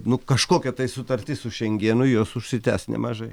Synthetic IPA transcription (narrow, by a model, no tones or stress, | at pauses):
nʊkɐʃkoːkʲɛt̪ɐɪsʊt̪ɐɾʲt̪ʲɪssʊʃʲɛŋʲɡʲiːɛnʊjuɔsʊʃʲsʲɪt̪ʲæːsnʲɛ̰mɐʒɐɪ